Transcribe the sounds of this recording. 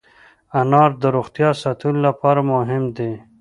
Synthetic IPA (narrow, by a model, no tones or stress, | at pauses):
anɑːɾd̪əɾoxt̪jɑsat̪ʰullapɑɾamʊɦɪmd̪e